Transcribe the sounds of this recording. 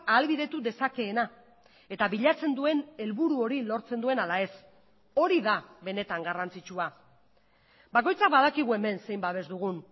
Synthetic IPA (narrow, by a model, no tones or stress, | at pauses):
aːlβiðe̞t̪uðe̞sake̞ːna | e̞t̪aβiʎat͡se̞nd̪ue̞ne̞lβuɾuo̞ɾilo̞ɾt͡se̞nd̪ue̞nalae̞s | o̞ɾiðaβe̞ne̞t̪aŋɡarant͡sit͡ʃua | bako̞jt͡sak̚baðakiɣ̞ue̞me̞nse̞jmbaβe̞zd̪uɣ̞un